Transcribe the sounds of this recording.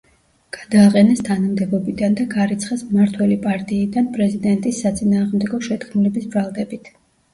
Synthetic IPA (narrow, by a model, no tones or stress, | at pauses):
ɡ̥ad̪aːqʼɛnɛst̪ʰanamd̪ɛbɔbid̪and̪aɡaɾit̪sʰχasmaɾt̪ʰwɛlipʼaɾt̪ʼiːd̪anpʼɾɛzid̪ɛnt̪ʼisːat̪sʼinaːʁmd̪ɛɡɔʃɛt̪kʰmulɛbisbɾalˠd̪ɛbit̪ʰ